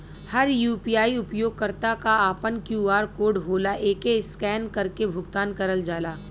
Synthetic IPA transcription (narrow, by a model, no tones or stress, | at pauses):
hɐɾjuːpijaːiʊpjoːɡ̚kəɾt̪akaaːpənkjuːaːɾkoːɖɦoːlaʔeːkeskɛːnkɐɾkebʱʊɡt̪aːnkɐɾəld͡ʒaːlaː